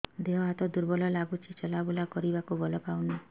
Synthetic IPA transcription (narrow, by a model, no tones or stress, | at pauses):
d̪eɦɔɦat̪ɔd̪uɾbɔlɔlaɡut͡ʃʰit͡ʃɔlabulakɔɾibakubɔlɔpawna